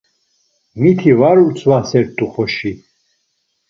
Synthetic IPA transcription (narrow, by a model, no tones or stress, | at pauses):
mit̪ʰivaɾuɾt͡sʰwasɛɾt̪ʼuχɔʃi